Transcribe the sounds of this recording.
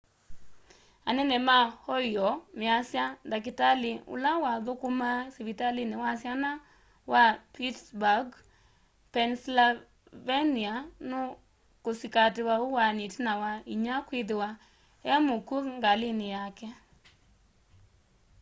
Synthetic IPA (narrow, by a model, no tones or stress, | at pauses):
anɛnɛmahɔjɔmɪasjandak̬ɪtalɪʊ̰lawaðʊkʊmasivitalinɪwasjana | wapitsbaɡ | pɛnsla | veniano | kosikatɪwaʊwanitnawaiɲakwɪðɪwa | ɛmokokŋɡalɪnɪjakɛ